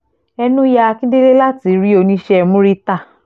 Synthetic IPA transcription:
ɛ˧nũ˦ja˦˧kĩ˦de˦le˦la˦ti˨˦ɾi˦o˧nĩ˧˦ʃɛ˦˨mũ˦ɾi˦ta˦˨

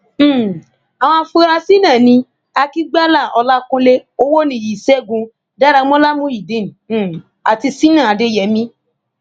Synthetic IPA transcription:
a˨w̃ɔ̃˧˦˧fu˦˧˦ɾa˧si˦nã˦˨nĩ˧˦ | a˧ki˦ɡ͡ba˦la˦˨ʔɔ˧la˦kũ˦˧le˦o˦wo˦nĩ˧˦˨ji˨sɛ˦˨ɡũ˧ | da˦ɾa˧˦mõ˦la˦mũ˦ji˨de˨˦ñ̩˨ | a˨ti˧si˦nã˦˨a˨˧de˦jɛ˨˦mĩ˧˦

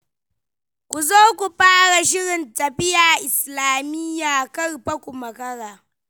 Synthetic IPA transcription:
kʷu˨zoː˦kʷu˨ɸaː˦ɽa˨ʃɪ˦ɽɪ˨ntɐ˨ɸɪ˦jaː˨ʔɪ˨slaː˨mɪ˦jːaː˨kɐ˦rɸɐ˦kʷu˨mɐ˨kɐ˦ɽaː˨

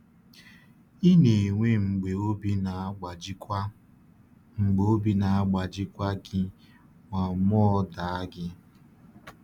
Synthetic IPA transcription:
i˦ne˨ŋʷe˦ŋ͡m̩˨ɡ͡be˨o˦i˦na˨˦˨ | ŋ͡m̩˨ɡ͡bo˨o˦bi˦na˨a˦ɡ͡ba˨d͡ʒɪ˦kʷa˦ɡɪ˦ | ŋʷa˨m˦ɔ˦da˨a˦ɡɪ˦

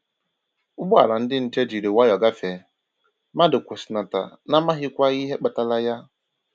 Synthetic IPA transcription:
ʊ˦ɡ͡bʊ˦a̰˨ɾa˨n̩˦dɪ˦n̩˦t͡ʃe˦d͡ʒi˨ɾe˨wa˦jɔ˨ɡa˦fe˨ | ma˦dʊ˨kʷʊ˨sɪ˨na˨ta̰˨ | na˦ma˦ɦɪ˦kʷa˦i˦ɦe˦k͡pa˨ta˨la˦ja˦

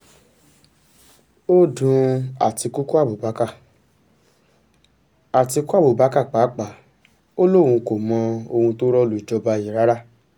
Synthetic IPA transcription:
o˦dũ˧a˨ti˧ku˦ku˦a˦˨bu˨ba˨˦ka˦˨ | a˨ti˧ku˦a˦˨bu˨ba˨˦ka˦˨k͡pa˨˦k͡pa˨˦ | o˦lo˦˨wũ˧ko˨mɔ̃˧o˧hũ˧to˦ɾɔ˦lu˨i˨d͡ʒɔ˧ba˧i˨ɾa˨˦ɾa˦

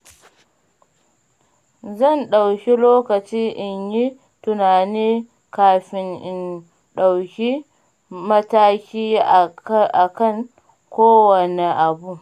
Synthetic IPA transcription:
zɐ˦˨nɗa˨wkʲi˦loː˦kɐ˨t͡ʃiː˦ʔɪ˨ɲji˦ | tʊ˨naː˨niː˦ | kaː˨ɸɪ˦ŋʔɪ˨n | ɗa˨wkʲi˦ | mɐ˦taː˦kʲiː˦ | ʔa˨kɐ˦˨ŋ | kʷoː˦wɐ˨ne˨ʔa˨bu˦ʔ

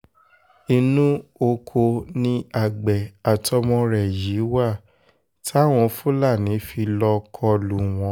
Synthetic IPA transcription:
i˧nũ˦o˧kʰo˧nĩ˧a˨ɡ͡bɛ˨a˨tɔ˧˦mɔ̃˧ɾɛ˨ji˨˦wa˦˨ | tʰw̃ɔ̃˧fu˦la˦˨nĩ˨˦fi˧lɔ˧kʰɔ˧lu˨w̃ɔ̃˧˦

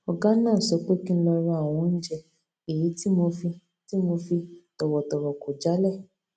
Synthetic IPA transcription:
ɔ˨ɡã˦nãː˦˨sɔ˨˧˦k͡pe˦kĩ˦˧lɔ˧ɾa˧˦a˦˨w̃ɔ̃˨˦n̩˦d͡ʒɛ˧ | e˨ji˨˦ti˦mo˧fi˧ | ti˦mo˧fi˧tɔ˨wɔ˨tɔ˨wɔ˨ko˨d͡ʒa˨˦lɛ˦˨

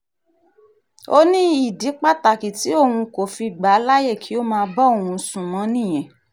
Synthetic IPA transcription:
o˦nĩ˦i˦˨di˨˦k͡pa˦ta˨ki˨ti˨˦o˦˨hũ˧ko˨fi˧ɡ͡ba˨˦la˦je˦˨kʰi˨˦o˦mãː˧bɔ˦o˦˨ũ˧sũ˨mɔ̃˨˦nĩ˦˨j̃ɛ̃˨

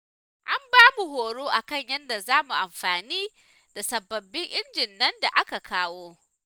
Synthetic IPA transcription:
ʔa˦mbaː˦mu˨ɦoː˨ɽoː˦ʔa˨kɐ˦˨ɲjɐ˦nda˨zaː˦mu˨ʔa˨mɸaː˨niː˦ | d̥a˨sɐ˨bːɐ˨bːɪ˦ŋʔɪ˦nd͡ʒɪ˨nːɐ˦nda̰˨ʔa˦ka˨kaː˦woː˦

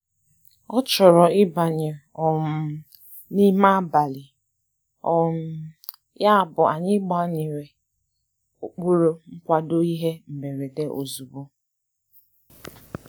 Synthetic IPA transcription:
ɔ˦t͡ʃɔ˨ɾɔ˨ɪ˦ba˨ɲɪ˨ | ɔ˨m̩˨ | ni˦ma˦ba˨lɪ˨ | ɔ˨m̩˨ | ja˦a˨bʊ˨a˨ɲɪ˦ɡ͡bɔ˦ɲɪ˨ɾe˨ | o˨k͡pu˦ɾo˦ŋ͡m̩˦kʷa˦do˦i˦ɦe˦m̩˨be˨ɾe˨de˦ʔo̰˨zu˨bu˦

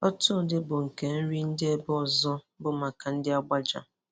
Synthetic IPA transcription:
ɔ˦tʊ˦˨dɪ˦bʊ˨ŋ̩˨ke˨n̩˦ɾi˦n̩˦dɪ˦e˦bɔ˨zɔ˦ | bʊ˦ma˨ka˨n̩˦dɪ˦a˦ɡ͡ba˦d͡ʒa̰˨

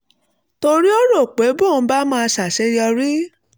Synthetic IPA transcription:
to˧ɾi˦o˦ɾo˦˨k͡pe˨˦bõ˦˨˦ba˦mãː˦˧sa˨ʃe˨˦jɔ˧ɾi˦

